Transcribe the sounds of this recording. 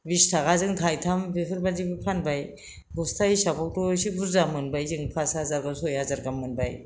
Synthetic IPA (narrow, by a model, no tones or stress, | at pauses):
bistʰaɣazɯŋtʰajtʰambipʰɯɾbazibɯpʰanbaj | ɡɔstʰaisabɔk̚tɔsibuɾzamɯnbajzɯŋpʰasazaɾɡasɔjazaɾɡamːɯnbaj